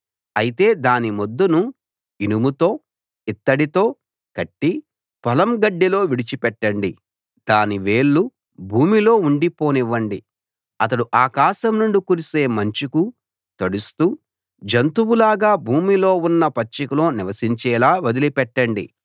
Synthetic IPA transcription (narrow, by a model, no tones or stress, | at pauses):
ɐjit̪e̞ːd̪aːnimod̪ːunu | inumut̪o̞ː | it̪ːɐɽit̪o̞ː | kɐʈːi | pɐlɐmɡɐɖːilo̞ːʋiɽit͡ʃipɛʈːɐɳɖi | d̪aːniʋeːɭːu | bʱuːmilo̞ːuɳɖipo̞ːniʋːɐɳɖi | ɐt̪ɐɽuʔaːkaːʃɐmnuɳɖikuːɾise̞ːmɐɲt͡ʃiku | t̪ɐɽust̪uː | d͡ʒɐnt̪uwulaːɡaːbʱuːmiloːunːɐpɐt͡ʃːɐkulo̞ːniʋɐsiɲt͡ʃɛːlaːʋɐd̪ilipɛʈːɐɳɖḭ